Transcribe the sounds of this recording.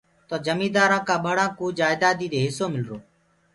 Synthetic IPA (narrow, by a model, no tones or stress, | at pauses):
t̪oːd͡ʒəmiːd̪aːɾãːkãːɓəɽãːkũːd͡ʒaːɪd̪aːd̪iːd̪eːɦɪsoːmɪlɾoː